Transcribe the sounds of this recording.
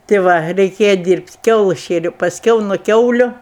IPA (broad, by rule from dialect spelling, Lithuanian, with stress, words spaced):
tʲeː ˈʋɐ rʲɛɪˈkʲeːjɛ ˈdʲiːrʲpʲtʲ ˈkʲɛʊlˠɜs ˈʃʲeːrʲɛʊ pɐsʲˈkʲɛʊ nʊ ˈkʲɛʊlʲʊ